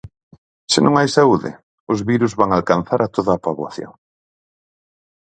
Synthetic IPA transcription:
sɪnʔõŋajsauðɪ̰ | ʊzβiɾuzβaŋalkan̟θaɾʔat̪oðaːpaβwaθjo̰ŋ

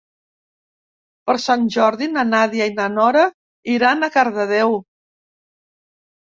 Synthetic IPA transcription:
pəɾsanʲʒɔɾðinənaðiəinənɔɾə | iɾanəkaɾðəðɛw

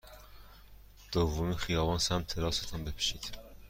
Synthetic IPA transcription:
d̪̥ɔvumiχijɑvɑnsæmt̪ʰɛɾɑsɛt̪ʰɑmbɛpʰʃit̪ʰ

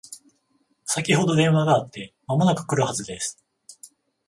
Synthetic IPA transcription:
sakʲiho̞d̪o̞d̪ẽ̞ɰ̃βaɡaːt̪ːe̞mamo̞nakɯ̟̥kɯ̟ɾɯ̟hazɨd̪e̞sɨ̥

